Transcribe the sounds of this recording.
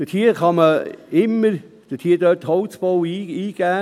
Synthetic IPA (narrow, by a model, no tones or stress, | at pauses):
d̥ətʰiːəχɑməɪmːəɾ | d̥ət̪ʰiːədøthɔwt͡sb̥ɔwiːiːɡ̥æː